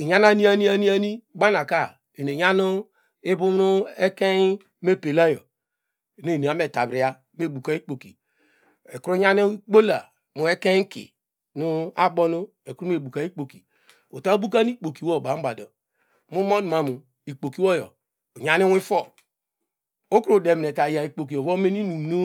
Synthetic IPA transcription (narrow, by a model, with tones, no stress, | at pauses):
i˨ɲa˦na˦ni˦a˦ni˦a˦ni˦a˦ni˦ɡ͡ba˦na˨ka˦˨ | e˨ne˨ɲa˦nu˦ | e˦bu˦m˦nu˦e˦ke˦ | me˦˨pe˨la˦jɔ̰˨ | ne˦˨ne˨a˨˦m˦e˨ta˨bɾi˨a˦ | m˦e˦˨bu˨ka˨i˦k͡po˨ki˨ | e˨ku˦ɾu˦ɲa˦ni˦i˦k͡po˦la˨ | mu˨e˦ke˦ŋ˦kḭ˨ | nu˦a˦bɔ˦nu˦ | e˨ku˦ɾu˦m˦e˨bu˨ka˨˦i˦k͡po˨ki˨ | o˨ta˦o˦bu˦ka˦n˦i˦k͡po˨ki˨wo˦˨ba˨˦m̩˦ba˨dɔ˨ | mu˦mo˦nu˨ma˨mu˨ | i˨k͡po˨ki˦wɔ˦jɔ̰˨ | ɲa˦ni˦wi˦fɔ˦˨ | o˦kɾu˨de˨m˨ne˨ta˨ja˨i˨k͡po˨k̬i˨o˨vo˦me˦n˦i˦nu˨m˨nu˦